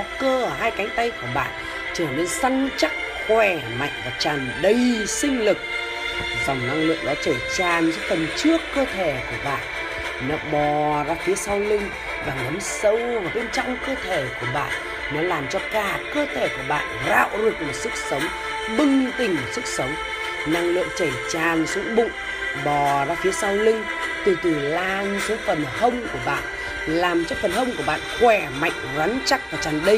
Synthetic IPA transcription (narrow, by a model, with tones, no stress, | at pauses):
ɔ˨˦kəː˧ɦaː˧jka˨˦jŋ̟t̪ə˧jku˧˩əɓa̰ː˧˨n | t͡ɕə˧˩ne˧nsa˧ŋt͡ɕa˦˥k̚xwɛ˧˩ma̰˧˨jŋ̟vaː˨˩t͡ɕaː˨˩nɗə˧˩jsï˧ŋ̟lɨ˨˩k̚ | zɔ˨˩wŋ͡mna˧ŋlɨ̰˧˨əŋɗa̰˧˥t͡ɕəː˧˩t͡ɕaː˨˩nzɔ˧˦t̪ə˨˩mt͡ɕɨ˦˥əkːəː˧t̪ʰe˧˩ku˧˩əɓa̰ː˧˨n | nɔ˨˧˦ɓɔ˨˩zaː˧t̪ʰi˨˦əsaː˧wlï˧ŋ̟ | ɓaː˨˩ŋɗə˨˦msə˧wvaː˨˩ɓe˧nt͡ɕɔ˧wŋ͡mkəː˧t̪ʰe˧˩ku˧˩əɓa̰ː˧˨nː | ɔ˨˦laː˨˩mt͡ɕɔ˧kaː˧˩˨kəː˧t̪ʰe˧˩ku˧˩əɓa̰ː˧˨nza̰ː˧˨wzɨ˨˩ək̚mo˨˩t̚sɨ˦˥k̚sə˨˦wŋ͡m | ɓɨ˧ŋt̪ï˨˩ŋ̟sɨ˦˥k̚sə˨˦wŋ͡m | na˧˨ŋlɨ̰˧˨əŋt͡ɕə˧˩t͡ɕaː˨˩nsu˨˦ɓṵ˧˨ | ɓɔ˨˩zaː˧fi˨˦əsaː˧wlï˧ŋ̟ | t̪ɨ˨˩t̪ɨ˨˩laː˧nsu˨˦fə˨˩nhə˧wŋ͡mku˧˩əɓa̰ː˧˨n | laː˨˩mt͡ɕɔ˧fə˨˩nɦə˧wŋ͡mku˧˩əɓa̰ː˧˨nxwɛ˧˩ma̰˧˨jŋ̟za˨˦nt͡ɕa˦˥k̚vaː˨˩t͡ɕaː˨˩nɗi˧